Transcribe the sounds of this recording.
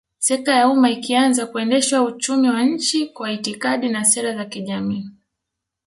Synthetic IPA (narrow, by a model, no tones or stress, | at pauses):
sɛk̚ajaumaikianzakuɛndɛʃwaut͡ʃumiwaɲ̩t͡ʃikwaitikaɗinasɛɾazakiʄamiː